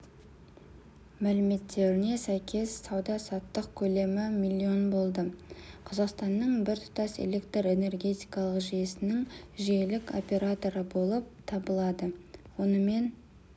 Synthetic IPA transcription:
mælɪme̞t̪ʰːe̞ɾɪne̞sæjkʲʰe̞sːɑwd̪ɑsɑt̪ːəqkʲʰɵle̞mɪmilʲːio̞nbo̞lˠd̪əqʰɑzɑqst̪ɑnːəɴbɪɾt̪ʰʊ̥t̪ɑse̞̰le̞kt̪rre̞ne̞rɡʲe̞t̪ijkɑlˠəqʒijesɪnɪŋʒijelɪko̞̰pʲe̞ɾat̪o̞ɾəbo̞lˠəp̚t̪ʰɑbəlˠɑd̪əwo̞nəme̞n

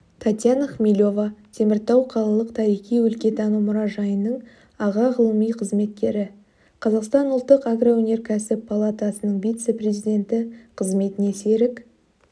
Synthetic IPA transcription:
t̪ʰɑt̪ʲjanaχmʲilʲo̞vɑt̪ʰe̞mɪɾt̪ɑwqʰɑlˠɑlˠəqt̪ʰɑɾijχijwɵlkʲe̞t̪ɑnumʊɾɑʒɑjənəɴ | ɑʁɑʁəlˠəmijqʰəzme̞t̪̚kʲe̞ɾɪ | qʰɑzɑqst̪ɑnʊlˠt̪ːəqaɡrowɵne̞ɾkʲʰæsɪpʰːalˠat̪ɑsənəɴvijt̪se̞pɾʲezijd̪ʲe̞nt̪ɪqʰəzme̞t̪ɪne̞se̞ɾɪk

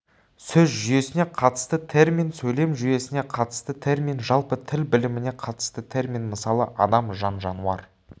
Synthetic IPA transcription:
sɵzʒʏje̞sɪne̞qʰɑt̪ə̥st̪ət̪ʰe̞rmʲijnsɵjle̞mʒʏje̞sɪne̞qʰɑt̪ə̥st̪ət̪ʰe̞rmʲinʒɑlˠpət̪ʰɪlbɪlɪmɪne̞qʰɑt̪ə̥st̪ət̪ʰe̞rmʲinməsɑlˠəʔɑd̪ɑmʒɑnʒɑnuɑ̰ɾ

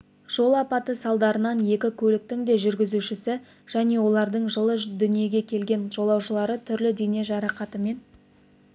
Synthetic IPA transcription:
ʒ̥o̞lˠɑpɑt̪əsɑlˠd̪ɑɾənɑnje̞kʲɪkʲʰɵlɪk̚t̪ɪŋd̪e̞ʒʏɾɡʲɪzuʃɪsɪ | ʒ̥æne̞wo̞lˠɑɾd̪əɴʒəlˠəd̪ʏnije̞ɡʲe̞kʲʰe̞lɡʲe̞nʒo̞lˠɑwʃəlˠɑɾət̪ʰʏɾlɪd̪e̞ne̞ʒɑɾɑqɑt̪əme̞n

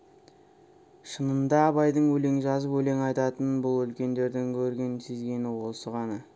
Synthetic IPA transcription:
ʃənənd̪ɑːbɑjd̪əɴwɵle̞ŋʒɑzəpwɵle̞ŋɑjt̪ɑt̪ənbʊlˠʏlkʲe̞nd̪e̞ɾd̪ɪŋkʲʰɵɾɡʲe̞nsʰezɡʲe̞nɪwo̞səʁɑnɑ

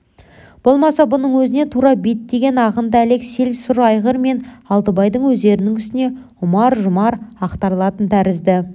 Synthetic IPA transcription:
b̥o̞lˠmɑsɑbʊnəɴwɵzɪne̞t̪ʰuɾɑbet̪ːe̞ɡʲe̞nɑʁənd̪əæle̞kse̞lsʊɾɑjʁəɾme̞nɑlˠd̪əbɑjd̪əɴwɵzd̪e̞ɾɪnɪŋʏst̪ɪne̞ | ʊmɑɾʒʊmɑɾɑqt̪ɑɾlˠɑt̪ənt̪ʰæɾɪzd̪ɪ

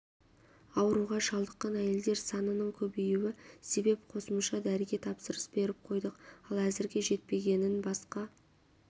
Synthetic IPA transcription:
ɑwəɾuʁɑʒɑlˠd̪əqːɑnæje̞ld̪e̞ɾsɑnənəɴkʲʰɵbejuwɪse̞be̞pqʰo̞səmʃɑd̪æɾɪɡʲe̞t̪ʰɑpsəɾəsb̥e̞ɾɪp̚qʰo̞jd̪əqɑlˠæzɪɾɡʲe̞ʒe̞t̪̚pe̞ɡʲe̞nɪnbɑsqɑ

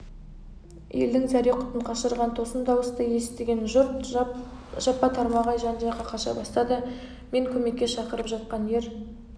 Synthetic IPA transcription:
jḛld̪ɪŋzæɾiqʰʊ̥t̪əɴqʰɑʃəɾʁɑnt̪ʰo̞səmd̪ɑwəst̪əje̞sɪ̥p̚t̪e̞ɡʲe̞nʒʊɾt̪ | ʒ̥ɑpːɑt̪ʰɑɾmɑʁɑjʒɑnd͡ʒɑqɑqʰɑʃɑ̰bɑst̪ɑd̪ə | me̞ŋkʲʰɵme̞kʲːe̞ʃɑqəɾəpʒɑt̪̚qɑnje̞ɾ

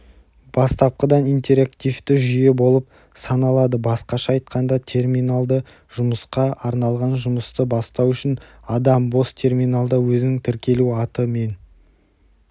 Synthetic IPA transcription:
b̥ɑst̪ɑp̚qəd̪ɑnijnt̪ʲe̞ɾakt̪ijft̪ɪʒʏje̞bo̞lˠəp̚ | sɑnɑlˠɑd̪əbɑsqɑʃɑɑjt̪̚qɑnd̪ɑt̪ʰe̞rminalˠd̪ə | ʒʊməsqɑʔɑɾnɑlˠʁɑnʒʊməst̪əbɑst̪ɑwʏʃɪn | ɑd̪ɑmbo̞st̪ʰe̞rmʲijnalˠd̪əwɵzɪnɪŋt̪ʰɪɾkʲe̞luɑt̪əme̞n

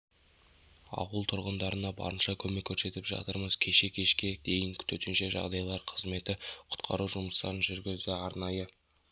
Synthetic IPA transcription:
ɑ̰qulˠt̪ʰʊɾʁənd̪ɑɾənɑbɑ̰ɾənʃɑkʲʰɵme̞kʲʰːɵɾse̞t̪ɪpʒɑ̰t̪əɾməz̥kʲʰe̞ʃe̞kʲʰe̞ʃkʲe̞d̪̥e̞jɪŋkʲʰʏ̥t̪et̪ɪnʃe̞ʒɑ̰ʁd̪ɑjlˠɑɾqʰəzme̞t̪ɪqʰʊ̥t̪qʰɑ̰ɾuʒʊməst̪ɑ̰ɾənʒʏɾɡʲɪzd̪ɪɑɾnɑjə

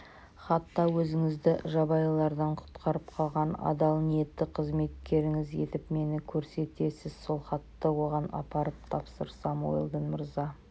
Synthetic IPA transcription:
χɑt̪ːɑwɵzɪŋɪzd̪ɪʒɑbɑjlˠɑɾd̪ɑɴqʰʊ̥t̪qʰɑɾəp̚qʰɑlˠʁɑnɑ̰d̪ɑlˠnije̞t̪ːɪqʰəzme̞t̪kʲe̞ɾɪŋɪze̞̰t̪ɪpme̞nɪkʲʰɵɾse̞t̪e̞sɪz̥so̞lˠχɑt̪ːɑwo̞ʁɑnɑ̰pɑɾəp̚t̪ʰɑpsəɾsɑmo̰j̰lˠd̪ənmʊɾzɑ

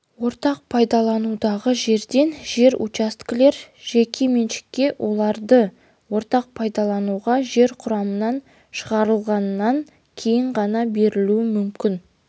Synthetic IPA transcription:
wo̞ɾt̪ɑq̚pʰɑjd̪ɑlˠɑnud̪ɑʁəʒe̞ɾd̪e̞nʒe̞ɾṵt͡ʃast̪kʲle̞ɾʒ̥ekʲʰe̞menʃɪ̥kʲːe̞wʔo̞lˠɑɾd̪ə | wo̞ɾt̪ɑq̚pʰɑjd̪ɑlˠɑnuʁɑʒe̞ɾqʰʊɾɑmənɑn | ʃəʁɑɾəlˠʁɑnəːɑŋ | kʲʰe̞jɪɴʁɑnɑbe̞ɾɪluɪmʏmkʲɪn

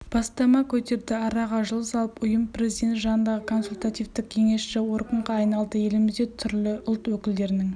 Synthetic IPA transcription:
b̥ɑst̪ɑmɑkʲʰɵt̪e̞ɾd̪ɪɑɾɑʁɑʒəlˠəsɑlˠəpʊjəmpʰre̞zid̪e̞nt̪ʒɑnənd̪ɑʁəkʰo̞nsulʲt̪at̪ijvt̪ɪk̚kʲʰe̞ŋe̞sʃɪwo̞ɾqəɴʁɑːjnɑlˠd̪əje̞lɪmɪzd̪e̞t̪ʰʏɾlɪʊlˠt̪wɵkʲɪld̪e̞ɾɪnɪŋ

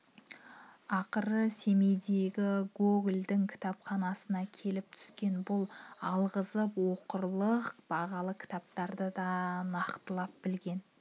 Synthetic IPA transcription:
ɑqəɾəse̞me̞jd̪e̞ɡʲɪɡoɡld̪ɪŋkʲʰɪ̥t̪ɑpχɑnɑsənɑkʲʰe̞lɪp̚t̪ʰʏ̥skʲe̞nbʊlˠɑlˠʁəzəpwo̞qəɾlˠəqb̥ɑʁɑlˠəkʲʰɪ̥t̪ɑp̚t̪ɑɾd̪əd̪ɑnɑqt̪əlˠɑp̚bɪlɡʲe̞n

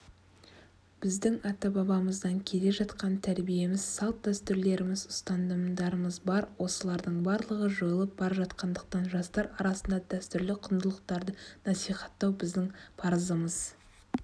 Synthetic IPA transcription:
b̥ɪzd̪ɪŋɑt̪ɑbɑbɑməzd̪ɑŋkʲʰe̞le̞ʒɑt̪qɑnt̪ʰæɾbije̞mɪz̥sɑlˠt̪̚d̪æst̪ʏɾle̞ɾɪmɪzʊst̪ɑnd̪əmd̪ɑɾəməzbɑɾwo̞səlˠɑɾd̪əɴbɑɾlˠəʁəʒojəlˠəp̚bɑɾɑʒɑt̪qɑnd̪əqt̪ɑnʒɑst̪ɑɾɑɾɑsənd̪ɑd̪æst̪ʏɾlɪqʰʊnd̪əlˠəq̚t̪ɑɾd̪ənɑsijχɑ̥t̪ːɑwbɪzd̪ɪŋpʰɑɾəzəməz

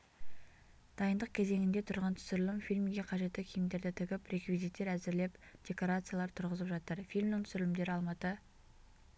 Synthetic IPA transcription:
d̪̥ɑjənd̪əq̚kʲʰe̞ze̞ŋɪnd̪e̞t̪ʰʊɾʁɑnt̪ʰʏ̥sɪɾɪlɪmfilʲmɡʲe̞qʰɑʒe̞t̪ːɪkʲʰejɪmd̪e̞ɾd̪ɪt̪ʰʏɡʲɪpɾe̞kvizijt̪ːe̞ɾæzɪɾle̞pd̪̥ʲe̞ko̞ɾat̪sɨjalˠɑɾt̪ʰʊɾʁəzəpʒɑt̪əɾfilʲmd̪ɪŋt̪ʰʏ̥sɪɾɪlɪmd̪e̞ɾɪɑlˠmɑt̪ə

